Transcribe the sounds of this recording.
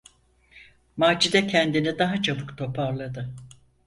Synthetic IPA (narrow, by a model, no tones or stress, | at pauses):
maːd͡ʒid̪ɛcʰɛnd̪inid̪aɦat͡ʃʰabɯkt̪ʰo̞pʰaɾlˠad̪ɯ